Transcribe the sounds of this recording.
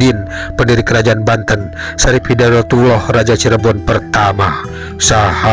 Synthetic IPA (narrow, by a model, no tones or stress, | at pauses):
inpəndiɾikəɾad͡ʒaanbant̪ən | saɾiphidanɔt̪ulɔhrad͡ʒat͡ʃəɾəbɔnpərt̪ama | saha